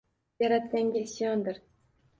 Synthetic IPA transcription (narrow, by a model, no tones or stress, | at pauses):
jaɾat̪̚kʲaŋɡʲaɪsjɒnd̪ɪɾ